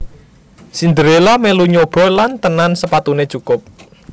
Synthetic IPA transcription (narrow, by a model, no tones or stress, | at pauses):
sind̪əɾelameluɲob̥ɔ̤lant̪ənansəpat̪unet͡ʃukʊp̚